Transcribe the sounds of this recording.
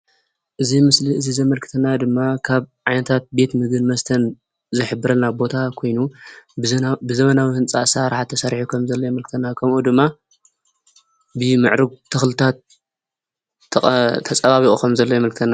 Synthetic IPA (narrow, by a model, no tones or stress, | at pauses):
ʔɨzimɨsliɨzizɐmɐlkʰɨ̥t̪ʰɐnːad̪ɨmːakʰaβʕajnɐt̪ʰat̪̚be̞t̪mɨɡɨnmɐst̪ʰɐn | zɨħɨbːɨɾɐlnabo̞t̪ʰakʰo̞jnu | bɨzɐmɐnawihɨnt͡sʼa̰saɾħat̪ʰːɐsɐɾħukʰɐmzɐlːɐjmɐlkɨt̪ʰɐnːakʰɐmʔud̪ɨmːa | bɨmɨ̰ʕɾɨɡ̚t̪ʰɨxlɨt̪ʰat̪̚ | ɐt̪ʰːɐt͡sʼɐβaβiʔʼukʰɐmzɐlːɐjɛmɐlkʰɨt̪ʰɐnːa